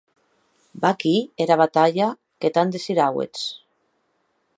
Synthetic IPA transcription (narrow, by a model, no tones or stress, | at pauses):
bakieɾaβat̪aʎa | ket̪and̪esiɾawḛt͡s